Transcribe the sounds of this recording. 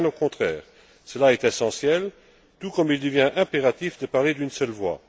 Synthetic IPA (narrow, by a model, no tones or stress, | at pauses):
ɛ̃nokɔ̃t̪χɛːʁ | səlaɛt̪ɛsɑ̃sjɛl | t̪ukɔmild̪əvjɛ̃ʔɛ̃peʁat̪ifd̪əpaʁled̪ynsœlvwa̰